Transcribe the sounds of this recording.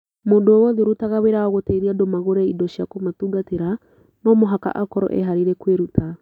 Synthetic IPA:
mondooːwɔðeɾutaɣaweɾaɔɣotɛiɾiadomaɣoɾɛidɔʃiakomatuɡateɾa | nɔmoɦaka̰ʔakɔɾɔ̰ʔɛ̰ɦaɾiɾɛkweɾutʰa

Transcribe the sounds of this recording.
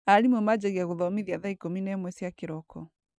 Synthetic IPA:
aɾimwɛmad͡ʑaɣiaɣoðɔmiðiaðaikominɛmwɛsiakeɾɔkɔ

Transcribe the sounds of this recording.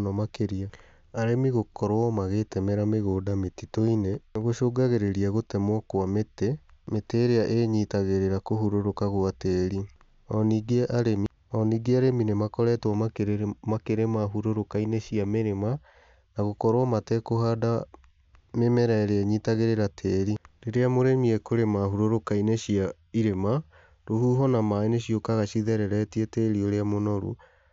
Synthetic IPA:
nɔmakeɾia | aɾemiɣokɔɾoɔmaɣetɛmɛɾameɣoːdametitoineɣoʃoːɡaɣeɾeɾiaɣotɛmwɔkwamete | meteːɾeaʔeːɲitaɣeɾeɾakohuɾoɾokaɣoateɾi | ɔniɡeʔaɾemi | ɔniːɡeaɾeminemakɔɾɛtwɔmakeɾmakeɾemaɦuɾoɾokaineɕiameɾema | naɣokɔɾwɔmatɛkoɦada | memɛɾɛɾeɛɲitaɣeɾeɾatʰeːɾiɾeɾeamoɾemiɛkoɾemaɦuɾoɾokaineɕia | iɾema | ɾohuːɦɔnamaeneɕiokaɣaɕiðɛɾɛɾɛtieteɾioɾeamonɔɾṵ

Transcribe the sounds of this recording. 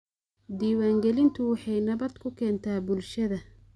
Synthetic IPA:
d̪iːwaːŋɡɛlɪnt̪ʰʊwɑħɑjnɐβɐd̪kʰʊkʰɛːnt̪ʰaːbʊlʃɐðɐ

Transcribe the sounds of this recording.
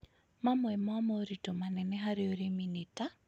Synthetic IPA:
mamwɛmwamoɾitomanɛnɛɦaɾɪoɾeminita

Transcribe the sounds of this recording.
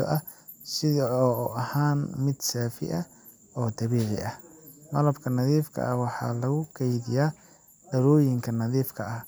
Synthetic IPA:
ɔ̰ʔɐ | sɪɔːuʔɐhaːnmɪd̪saːfɪ̰ʔɐ | ɔːd̪ɐβiːʕɪ̰ʔɐhmɐlɐbkʰɐnɐðiːfkʰɐ̰ʔɐwɑħɑ̰ːlɐɣʊkʰɛjðɪjaː | ɖɐɾɔːjɪŋkʰɐnɐðiːfkʰɐɐh

